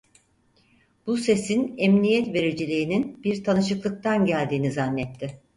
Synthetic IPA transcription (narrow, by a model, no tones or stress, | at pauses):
b̥use̞sinɛmnijɛt̪ve̞ɾid͡ʒilʲiːninbiɾt̪ʰanɯʃɯklˠɯk̚t̪ʰanɟælʲd̪iːnizanːɛt̪ʰːɪ